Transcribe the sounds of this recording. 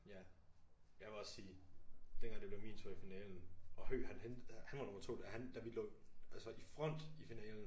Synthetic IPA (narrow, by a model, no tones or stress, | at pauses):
jæ | jɑɪʋe̝ɒ̽ssiːd̥enɡ̥ɑŋd̥e̝b̥le̝ʊmiːnt͡sʰoɐifinɛːln̩ɒ̽høːɦænhenhænʋɑ̈no̽mɐt͡sʰo̝̰ːd̥æhænd̥æʋilɔ̰̽ːælsɒifʁɒn̰d̥ifinɛːln̩